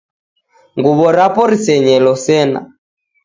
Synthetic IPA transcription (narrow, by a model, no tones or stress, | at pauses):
ŋɡuβɔɾapɔɾisɛɲɛlɔsɛna̰